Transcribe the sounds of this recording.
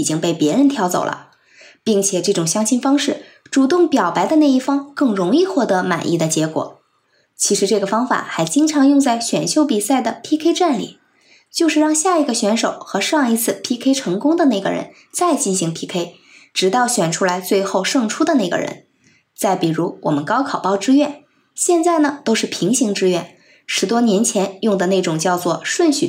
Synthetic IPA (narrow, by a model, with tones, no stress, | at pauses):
i˨˩t͡ɕi˥ŋpe˥˩ɪpjɛ˧˥ɻə˧˥nt̪ʰjɑ˥ʊt͡so̰˨˩ʊlə̰˦ | pi˥˩ŋt͡ɕʰjɛ˨˩ʈ͡ʂɤ˥˩ʈ͡ʂʊ˨˩ŋɕjɑ˥ŋɕʰi˥nfɑ˥ŋʂɻ̩˥˩ | ʈ͡ʂu˨˩t̪ʊ˥˩ŋpjɑ˨˩ʊpa˧˥ɪd̪ə˧na˥˧ɪi˥˩fɑ˥ŋkɤ˥˩ŋɻʊ˧˥ŋi˥˧xwɔ˥˩t̪ɤ˧˥ma̰˨˩nʔḭ˥˩d̪ə˩t͡ɕjɛ˧˥kwɔ̰˨˩˦ | t͡ɕʰi˧˥ʂɻ̩˧˥ʈ͡ʂɤ˥˩ɡə˩fɑ˥ŋfa̰˨˩xa˧˥ɪt͡ɕi˥ŋʈ͡ʂʰɑ˧˥ŋjʊ˥˧ŋt͡sa˥˩ɪɕɥɛ˨˩nɕjo˥˧ʊpi˨˩sa˥˩ɪd̪ə˩pʰi˥kʰe˥ɪʈ͡ʂa˥˩nlḭ˨˩˦ | t͡ɕjo˥˧ʊʂɻ̩˥˧ɻɑ˥˧ŋɕja˥˩i˧˥ɡə˧ɕɥɛ˧˥nʂo˨˩ʊxɤ˧˥ʂɑ˥˩ŋi˧˥t͡sʰɹ̩˥˩pʰi˥kʰe˥ɪʈ͡ʂʰɤ˧˥ŋkʊ˥ŋd̪ə˨ne˥˩ɡə̰˩ɻə̰˧˥n | t͡sa˥˧ɪt͡ɕi˥˩nɕi˧˥ŋpʰi˥kʰe˥ɪ | ʈ͡ʂɻ̩˧˥t̪ɑ˥˩ʊɕɥɛ˨˩nʈ͡ʂʰu˥la˧˥ɪt͡swe˥˧ɪxo˥˧ʊʂɤ˥˧ŋʈ͡ʂʰu˥d̪ə˨na˥˩ɪɡə̰˩ɻə̰˧˥n | t͡sa˥˩ɪpi˨˩ɻu˧˥wɔ˨˩mə˦nkɑ˥ʊkʰɑ˨˩ʊpɑ˥˧ʊʈ͡ʂɻ̩˥ɥɛ˥˩n | ɕjɛ˥˧nt͡sa˥˩ɪnə˩t̪o˥ʊʂɻ̩˥˩pʰi˧˥ŋɕi˧˥ŋʈ͡ʂɻ̩˥ɥɛ˥˩n | ʂɻ̩˧˥t̪wɔ˥njɛ˧˥nt͡ɕʰjɛ˧˥njʊ˥˩ŋd̪ə˩˨ne˥˩ɪʈ͡ʂʊ˨˩ŋt͡ɕjɑ˥˧ʊt͡swɔ˥˩ʂwə˥˩nɕy̰˨˩